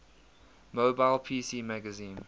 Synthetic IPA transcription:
moːbaɪlpʰiːsiːmæɡəzĩːn

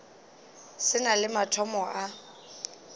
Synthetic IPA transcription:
sɪnalɪmatʰɔmɔʔa

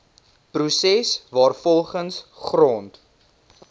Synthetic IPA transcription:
prusɛsvɑːrfɔlˠχənsχrɔnt

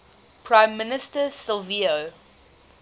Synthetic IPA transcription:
pʰɹãɪ̃mːɪnɪstəsɪlvio

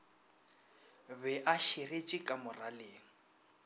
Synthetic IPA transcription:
bɛʔaʃiret͡ʃʼɪkʼamʊraleːŋ̩

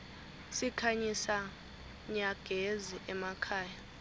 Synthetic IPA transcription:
sikʰaɲisa | ɲaɡ̥ʱeziʔɛmakʰaːja

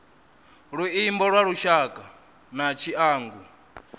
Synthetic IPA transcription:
ɺuimbɔɺwaɺuʃakʼa | nat͡ʃʰiaːŋɡu

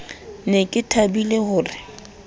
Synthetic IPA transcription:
nekʼɪtʰabilehʊːrɪ

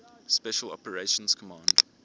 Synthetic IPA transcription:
spɛʃəlɔ̰pəɹeʃə̃nz̥kʰɔmãnd

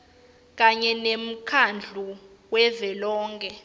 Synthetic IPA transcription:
k̬aɲɛnem̩kʰand͡ɮʱu | wɛvɛlɔːŋkʰʼɛ

